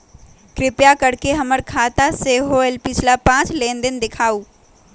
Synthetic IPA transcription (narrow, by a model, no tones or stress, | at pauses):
kɾɪpjakɐɽkeɦɐməɾkʰaːt̪aseːɦoɛlpɪt͡ʃʰlapãːt͡ʃlẽːnd̪ɪnd̪ɪkʰaːuː